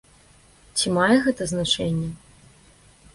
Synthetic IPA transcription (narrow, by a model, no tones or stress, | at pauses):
t͡sʲimajɛɣɛt̪ɐznat͡ʂɛnʲːɛ